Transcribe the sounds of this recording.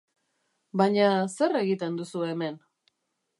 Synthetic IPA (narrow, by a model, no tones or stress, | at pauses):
baɲase̞re̞ɣit̪e̞nd̪usue̞me̞n